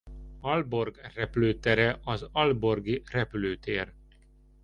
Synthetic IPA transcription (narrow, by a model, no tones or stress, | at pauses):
ɒlbo̞rɡrɛpløːt̪ɛɾɛʔɒzɒlbo̞rɡirɛpyløːt̪eːr